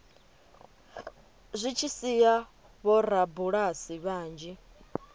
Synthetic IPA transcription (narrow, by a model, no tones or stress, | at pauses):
zʷit͡ʃʰisija | βɔɾabuɺasiβaːnd͡ʒi